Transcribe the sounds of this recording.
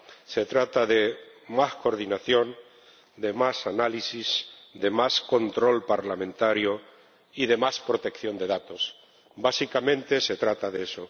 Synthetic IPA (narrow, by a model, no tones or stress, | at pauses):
se̞t̪ɾat̪aðe̞masko̞ɾðinaθjo̞n | d̪e̞masanalisiz | d̪e̞masko̞nt̪ɾo̞lpaɾlamẽnt̪aɾjo | iðe̞maspɾo̞t̪e̞kθjo̞nd̪e̞ðat̪o̞s | basikamẽ̞nt̪e̞se̞t̪ɾat̪aðeso